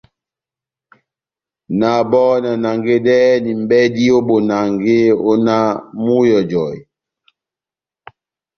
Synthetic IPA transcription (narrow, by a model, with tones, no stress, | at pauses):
na˨bɔ˦na˨na˨ŋɡe˦dɛ˦ni˨m̩˨bɛ˦di˦o˦bo˨na˨ŋɡe˦o˦na˦mu˦jɔ˨d͡ʒɔ˨j